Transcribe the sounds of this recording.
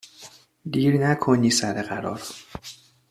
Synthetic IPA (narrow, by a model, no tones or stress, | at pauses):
d̪iːɾnækʰoniːsæɾeɢæɾɒ̰ːɾ